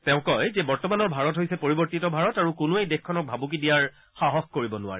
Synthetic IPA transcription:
tɛʊ̃kɔjzebɔɹtɔmanɔɹbʱaɹɔtɦojsɛpoɹibɔɹtitɔbʱaɹɔtaɹukʊnuejdexkʰːɔnɔk̚bʱabuk̬idijaɹ | xaɦɔxkoɹibɔnʊa̰ɹɛ

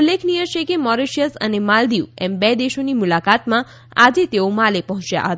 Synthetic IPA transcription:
ulːekʰnijəʃekemɔɾeʃjəsə̰nemald̪iʋembɛd̪eʃonimulakat̪mã | ad͡ʒet̪eomalepəɦɔ̃t͡ʃja̰ɦət̪aa

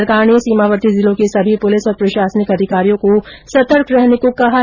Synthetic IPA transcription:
ɾkaːɾnesiːmaːʋəɾt̪izɪlõkesɐbʱipʊlɪsɔːɾpɾɐʃaːsənɪkɐd̪ʱɪkaːɾijõkosɐt̪əɾkɾɛɦnekokɐɦa

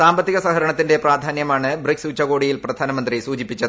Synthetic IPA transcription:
saːmbɐt̪ːiɣɐsɐkɐɾɐɳɐt̪ːinde̞praːd̪ʱaːnjɐmaːɳɨbriksuːt͡ɕːɐɣo̞ːɽijilprɐd̪ʱaːnɐmɐnd̪risuːd͡ʑipːit͡ɕːɐðɨ

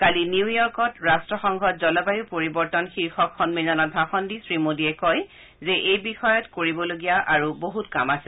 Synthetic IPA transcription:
kaliniwjɔɹkɔtɹastɹɔxɔŋɡʱɔt̚zɔlɔbajʊpoɹibɔɹtɔnxiɹxɔkxɔnmizɔnɔt̚bʱaxɔndisɹimodiɛkɔj | zɛʔejbixɔjɔtkoɹibɔloɡijaʔaɹuboɦutkamasɛ

